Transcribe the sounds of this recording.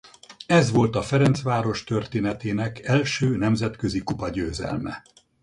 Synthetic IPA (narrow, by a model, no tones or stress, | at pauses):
ɛzʋo̞lt̪ɒfɛɾɛnt̪sʋaːɾo̞ʃt̪ørt̪eːnɛt̪eːnɛkɛlʃøːnɛmzɛt̪kø̞zikupɒɟøːzɛ̰lmɛ̰